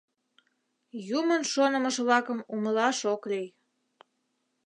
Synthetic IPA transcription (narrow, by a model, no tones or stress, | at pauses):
jumənʃonəməʃβlɑkəmuməlɑʃoklij